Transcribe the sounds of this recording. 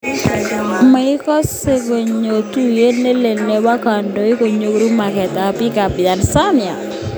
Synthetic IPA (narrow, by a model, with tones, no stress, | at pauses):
me˨ɪ˦kɔ˦se˦ko˨ɲo˨t̪u˦je˦ne˦le˨ne˦wa˦ka˨ndo˦i˦ko˨ɲo˨kɾu˦ma˨kɛ˨t̪a˨˦pi˦ka˨pja˨nsa˦nɪ˨a˨